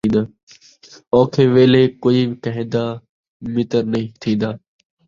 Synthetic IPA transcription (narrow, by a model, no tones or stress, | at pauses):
ĩːnd̪aː | ɔ̃ːkʰeːʋeːleːkoːiːbkəɦẽːd̪aː | mɪt̪əɾnəɦĩːt̪ʰĩːnd̪aː